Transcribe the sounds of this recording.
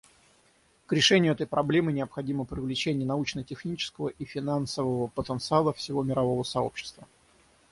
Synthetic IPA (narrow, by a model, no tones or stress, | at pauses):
kɾʲɪʂɛnʲɪjʊɛt̪əjpɾʔɐblʲe̞mɨnʲɪəpxɐdʲiməpɾʲɪvlʲɪt͡ɕenʲɪjənɐut͡ɕnətʲɪxnʲit͡ɕɪ̥skəvəʔifʲɪnansəvəvəpət̪ənt̪sɨalˠəfsʲɪvo̞mʲɪɾɐvo̞vəsɐo̞̰pɕːɪ̥st̪və